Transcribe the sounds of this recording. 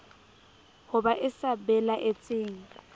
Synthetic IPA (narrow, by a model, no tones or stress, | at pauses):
hʊbaʔɪsabɛlaʔet͡sʼeːŋ̩